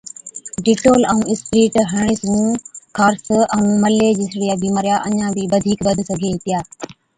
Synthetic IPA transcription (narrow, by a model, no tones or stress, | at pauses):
ɖɪʈoːləũːɪspɾiːʈɦəɳ̃ɪsnũːkʰaːɾsəũːməleːd͡ʑɪsɽijaːbiːmaːɾjaːʔəɲãːbʱiːʋəd̪ʱiːkbəd̪ʱsəɡʱeːɦɪt̪ɪjaː